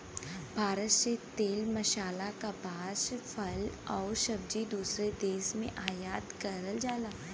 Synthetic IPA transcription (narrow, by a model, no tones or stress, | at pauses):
bʱaːɾət̪set̪eːlmɐʃaːlakabʱaːʃfʰɐlɔːɾʃɐb̚d͡ʒid̪uːsɾed̪eːsmḛ̃ʔaːjaːt̪kɐɾəld͡ʒaːlaː